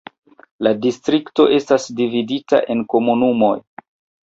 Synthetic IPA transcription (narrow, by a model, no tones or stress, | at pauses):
ladistɾikto̞ʔe̞stasdividita̰ʔe̞nko̞munumo̞̰j